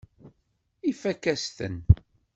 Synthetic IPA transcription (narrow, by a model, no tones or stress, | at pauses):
ifækːæst̪ə̰n